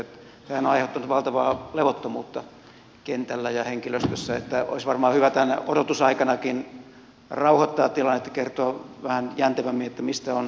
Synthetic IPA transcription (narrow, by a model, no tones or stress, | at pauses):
t̪ | sehænoɑiheut̪ːɑnut̪ʋɑlt̪ɑʋɑːleʋot̪ːomuːt̪ːɑ | kent̪ælːæjɑheŋkiløst̪øsːæḛt̪ːæo̰isʋɑrmɑːhyʋæt̪ænːḛʔodot̪usɑikɑnɑkin | rɑuhɑt̪ːɑːtt̪ilɑnːet̪ːɑ̥kert̪oɑʋæhænjænt̪æʋæmːiet̪ːæmist̪æon